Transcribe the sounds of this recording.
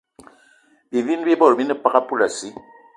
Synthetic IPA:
bi˨vi˦n˦bi˦bɔ˦˨ɾbi˦nɛ˦pa˦ka˦pu˦˨la˨si˦

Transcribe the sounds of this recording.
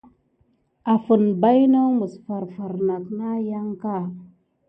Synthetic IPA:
a˨fə˨nba˦jnə˦mu˨sfa˨ɾfa˨ɾna˨kna˦ja˦ŋka˦˨

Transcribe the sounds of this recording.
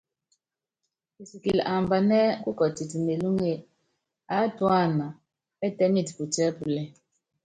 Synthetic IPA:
i˨si˨ki˨lʔa˨m˨ba˨nɛ˦ku˦kɔ˨ti˨ti˨ne˨lu˦ŋe˦˨ | a˨˦twa˦˨na˨ | ɛ˦tɛ˦mi˦˨tpu˨tɛ˦pu˨lɛ˦

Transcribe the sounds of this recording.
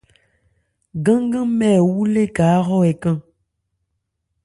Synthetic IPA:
ɡã˦ŋ˦ɡə̃˦mɛː˦˨wu˦le˦kaː˨˦ɣɔ˦ɛ˨kã˦ŋ

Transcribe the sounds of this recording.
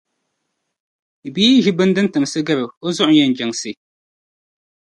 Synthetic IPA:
biː˦ʒi˦bɨ˦ndɨ˦ntɨ˨msɨ˦ɡɨ˦bɨ˨o˦zʊ˦ʔʊ˨˦jɛ˦n˨d͡ʒɛ˨ŋsɨ˦

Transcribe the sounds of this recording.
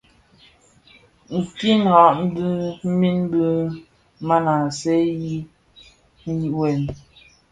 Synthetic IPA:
ŋ̩˨ki˦n˨ɣa˨ʔm̩˦bɨ˦m̩˦mi˦n˦bɨ˦ | ma˦na˨sɛ˦ji˦ | n̩˦ji˦ʔwɛ˨n

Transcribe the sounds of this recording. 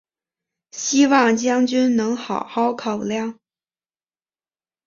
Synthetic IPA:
ɕi˥wɑ˥˩ŋt͡ɕjɑ˥ŋt͡ɕy˥nnɤ˧˥ŋxɑ˨˩ʊxɑ˥ʊkʰɑ˨˩ʊljɑ˥˩ŋ

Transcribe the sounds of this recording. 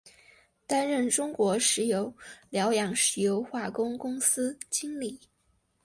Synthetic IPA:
t̪a˥nɻə˥˩nʈ͡ʂʊ˥ŋkwɔ˧˥ʂɻ̩˧˥jo˧˥ʊljɑ˧˥ʊjɑ˨˩ŋʂɻ̩˨˥˩jo˧˥ʊxwa˥˩kʊ˥ŋkʊ˥ŋsɹ̩˥t͡ɕi˥ŋli˨˩˦

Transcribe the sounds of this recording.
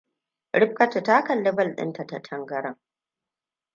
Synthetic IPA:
ɽɪ˦ɸ̚kɐ˦tu˨ta˦kɐ˨lːɪ˦bɐ˦lɗɪ̰˦nta˨tɐ˨tʰɐ˦ŋɡɐ˦ɽɐ˦˨ŋ

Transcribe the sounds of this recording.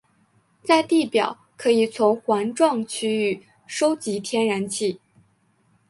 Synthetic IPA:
t͡sa˥˧ɪt̪i˥˩pjɑ̰˨˩˦ʊkʰɤ˧˥i˨˩t͡sʰʊ˧˥ŋxwa˧˥nʈ͡ʂwɑ˥˩ŋt͡ɕʰy˥y˨˩ | ʂo˥ʊt͡ɕi˧˥t̪ʰjɛ˥nɻa˧˥nt͡ɕʰi˥˩˦

